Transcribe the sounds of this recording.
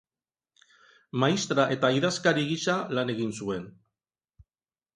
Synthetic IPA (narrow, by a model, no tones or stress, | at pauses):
majst̪ɾaʔe̞t̪aiðaskaɾiɣisalane̞ɣinsue̞n